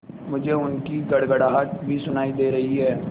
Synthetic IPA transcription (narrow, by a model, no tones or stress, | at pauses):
mʊd͡ʒʱeʊnkiɡɐɽɡəɽaːɦət̪̚bʱisʊnaːid̪eːɾɐɦiɦɛː